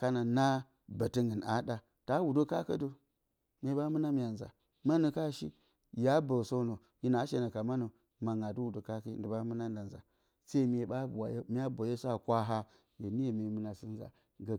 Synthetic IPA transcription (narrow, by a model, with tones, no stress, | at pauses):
ka˦na˨na˦ | ba˨ti˦ŋɡə˨na̰˦da˦ | ta˦wu˨do˦ka˦kə̰˦do˨ | me˦ɓa˦mɨ˦na˦mi˦ja˨nza̰˨ | ma˦nu˨ka˦ʃḭ˦ | ja˦bə˨so˦no˨ | ji˦na˨˦ʃe˨na˨ka˨ma˦nu˨ | ma˨ŋa˨du˦wu˨do˨ka˦ki˦ndə˨ba˦mu˦na˦n˦da˨nza̰˨ | sa˦i˦m˦e˨ɓa˦ba˨je˦mi˦a˦bʷa˨je˦sa˨kʷa˦ɦa˦ | je˨ni˦e˨me˨˦mɨ˦na˨si˦nza̰˨ | ɡa˨